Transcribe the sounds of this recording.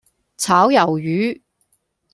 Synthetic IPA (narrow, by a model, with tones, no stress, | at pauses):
t͡sʰaː˨˥wjɐ˨˩wjyː˨˥